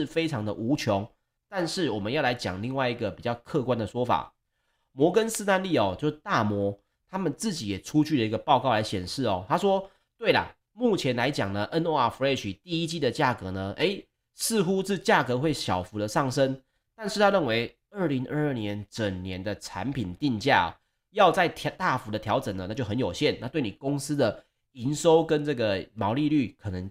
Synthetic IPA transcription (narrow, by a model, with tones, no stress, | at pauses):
ʂ̩˥˩fe˥ɪʈ͡ʂʰɑ˧˥ŋd̪ə̰˨ʔu˧˥t͡ɕʰjɔ˧˦ŋ | t̪a˥˧nʂɻ̩˥˩wɔ˨˩mə˦njɑ˥˩ʊla˧˥ɪt͡ɕjɑ˨˩ŋli˥˧ŋwa˥˧ɪi˧˥ɡə˨pi˨˩t͡ɕjɑ˥˧ʊkʰɤ˥˧kwa˦nd̪ə˨ʂwɔ˥fa̰˨˩ | mwɔ˧˥kə˦nsɹ̩˥˧t̪a˥˧nli˥˩ɔ˨˩t͡ɕjo˥˧ʊʂ̩˥˧˩t̪a˥˨˩mwɔ˧˥ | t̪ʰa˥mə˨nt͡sɹ̩˥˩t͡ɕi˨˥jɛ˨˩ʈ͡ʂʰu˦t͡ɕʰy˥˩lə˩i˧˥ɡə˨pɑ˥˧ʊkɑ˥˩ʊla˧˥ɪɕjɛ̰˨˩nʂɻ̩˥˩ɔ˨˩t̪ʰa˥ʂwɔ˥ | t̪we˥˩ɪlə̰˩ | mu˥˩t͡ɕʰjɛ˨˧˥nla˧˦ɪt͡ɕjɑ˨˩ŋnə˦ʔə˦˥no˧˥˩a˨˩fu˧˥e˥˧t͡ɕʰi˨˩t̪i˥˧i˦˥t͡ɕi˥˩d̪ə˨t͡ɕja˥˩kɤ˧˥nə˧ʔe˧˥ɪ | sɹ̩˥˧xu˥ʂɻ̩˥˧t͡ɕja˥˩kɤ˧˦xwe˥˩ɪɕjɑ˨˩ʊfu˨˥d̪ə˨ʂɑ˥˩ŋʂə˦˥n | t̪a˥˧nʂɻ̩˥˩t̪ʰa˦ɻə˥˩nwe˧˦ɪ | ə˥˩li˧˥ŋə˥˧ə˥˩njɛ˧˦nʈ͡ʂə˨˩ŋnjɛ˨˧˦nd̪ə˨ʈ͡ʂʰa̰˧˦npʰi˨˩nt̪i˥˧nt͡ɕja̰˥˩˨ | jɑ˥˧ʊt͡sa˥˧ɪt̪ʰt̪a˥˩fu˧˥d̪ə˨t̪ʰjɑ˧˥ʊʈ͡ʂə˨˩ŋnə˦a˥t͡ɕjo˥˩ʊxə˧˦njo˨˩ʊɕjɛ˥˨na˥˧t̪we˥˩ɪni˨˩ko˦˥ŋs̩˥d̪ə˨ | i˧˦nʂo˥ʊkə˦˥nʈ͡ʂɤ˥˩ɡə˩mɑ˧˥ʊli˥˧ly˥˩kʰɤ˨˩nə˧˦ŋ